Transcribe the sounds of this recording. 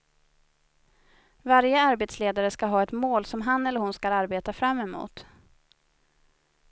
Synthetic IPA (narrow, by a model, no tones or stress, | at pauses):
vaɾjəaɾbeːt̪sleːd̪aɾəskaɦɑːɛt̪moːlsɔmɦanɛlːəɾhʊnskaɾaɾbeːt̪afɾamːɛmṵːt̪